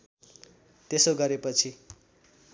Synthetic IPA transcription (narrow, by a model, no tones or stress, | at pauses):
t̪esoɡʌɾepʌt͡sʰi